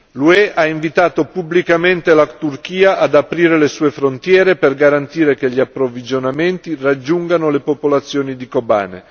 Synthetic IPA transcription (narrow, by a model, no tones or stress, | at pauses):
luɛʔaiɱvit̪aːt̪opublikament̪elat̪urk̟iːaʔad̪apɾiːɾelesuːefɾont̪jɛːɾeperɡaɾant̪iːɾekeʎːiapːɾovid͡ʒonament̪irad͡ʒːuŋɡanolepopolat̪sːjoːnid̪ikoba̰ːnḛ